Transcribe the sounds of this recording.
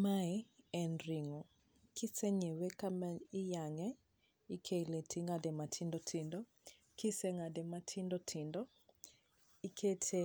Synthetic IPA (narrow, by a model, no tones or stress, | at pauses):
maiɛnriŋɔ | kʰisɛɲɛwɛkamaijaŋɛ | ikʰelɛtʰiŋadɛmatʰindɔtʰindɔ | kʰisɛŋadɛmatʰindɔtʰindɔ | ikʰɛtʰɛ